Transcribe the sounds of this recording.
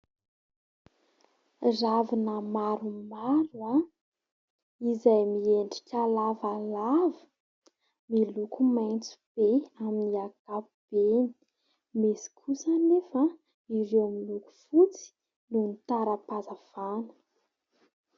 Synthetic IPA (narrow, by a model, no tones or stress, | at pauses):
ravinəmaɾumaɾua | izajmieɳɖ͡ʐi̥kʲalavalavə̥ | milukumajnt͡su̥b̥eaminiaɡapub̥eni̥ | mesi̥kʰusənefə | iɾewmiluku̥fut͡si̥ | nunt̪aɾəpazav̥anə̥